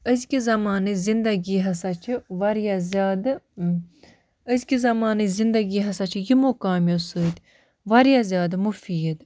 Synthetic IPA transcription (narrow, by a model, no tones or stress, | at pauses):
əzkizɐmaːnɨzind̪ɐɡiːɦɐsat͡ʃʰiʋɐɾijazʲaːd̪ | əzkizɐmaːnɨzind̪ɐɡiːɦɐsat͡ʃʰijimokaːmjosɨːt̪ʲ | ʋɐɾjazʲjaːd̪mufiːd̪